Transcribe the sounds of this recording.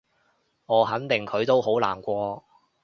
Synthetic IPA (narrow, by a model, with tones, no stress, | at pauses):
ŋɔː˨˧hɐ˨˥nt̪ɪ˨ŋkʰɵ˨˧ɥt̪o˥wɦo˨˥wla̰ː˨˩nkʷɔː˧